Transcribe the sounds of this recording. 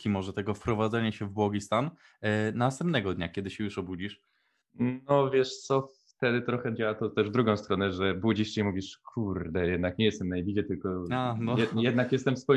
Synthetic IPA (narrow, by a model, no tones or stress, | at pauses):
kʲimɔʐɛt̪ɛɡɔfpɾɔvad̪zɛɲaɕɛvbwɔɡʲist̪an | nast̪ɛmpnɛɡɔd̪ɲakʲɛd̪ɘɕɛjuʂɔbud͡ʑiʂ | nɔvʲjɛʂt̪sɔf | t̪ɛd̪ɘt̪ɾɔxɛd͡ʑawat̪ɔt̪ɛʐvd̪ɾuɡɔ̃w̃st̪ɾɔnɛʐɛbud͡ʑiʂt͡ɕeimuvʲiʂkʰuɾd̪ɛjɛd̪nakɲɛjɛst̪ɛmnajbʲid͡ʑɛt̪ɘlkɔajɛjɛd̪nakjɛst̪ɛmfspu